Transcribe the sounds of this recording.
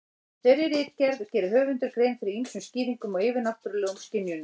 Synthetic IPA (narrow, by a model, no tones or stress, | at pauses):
θɛɾjɪɾɪt̪cɛɾðcɛːɾʏɦœːvɪnt̪ʏɾkɾejnfɪɾɪɾinsʏmsciːɾiŋkʏmɔeːvɪnaht̪ʏɾlɛːɣʏmscɪnjʏn